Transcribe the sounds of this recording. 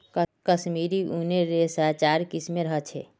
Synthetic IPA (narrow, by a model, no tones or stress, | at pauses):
kəsmiːɾiuneɾesat͡ʃaːɾkismeɾəɦət͡ʃʰeː